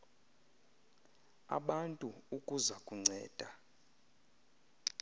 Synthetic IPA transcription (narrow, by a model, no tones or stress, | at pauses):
a̰ɓantʼuukʼuzakʼuŋ͡ǀʱɛːd̥ʱa